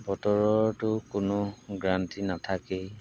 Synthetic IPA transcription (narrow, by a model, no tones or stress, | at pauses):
bɔtɔɹɔɹtʊkʊnʊɡɹantinatʰake